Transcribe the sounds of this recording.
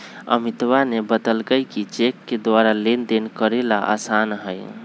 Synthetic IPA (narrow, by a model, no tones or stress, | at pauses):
ə̰mit̪ʋanebəd̪əlkəjkit͡ʃekːed̪ʋaɾalend̪enkəɾelaʔa̰sanɦəj